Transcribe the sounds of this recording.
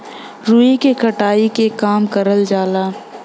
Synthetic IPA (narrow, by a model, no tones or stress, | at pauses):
ɾuːikekʰɐʈaːikekaːmkɐɾəld͡ʒaːlaː